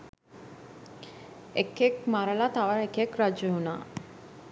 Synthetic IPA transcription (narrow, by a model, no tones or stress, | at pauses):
ekːekmaɾəlat̪aʋaɾekekɾad͡ʒəɦunaː